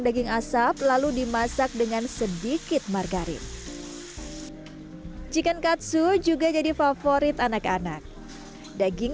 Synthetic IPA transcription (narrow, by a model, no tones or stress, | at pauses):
ŋdaɡɪŋasaplaludimasak̚dəŋansədikɪt̪̚marɡaɾɪ̰t̪̚ | d͡ʒikankat̪sud͡ʒuɡad͡ʒadifafoɾɪt̪anakanak̚ | daɡɪŋ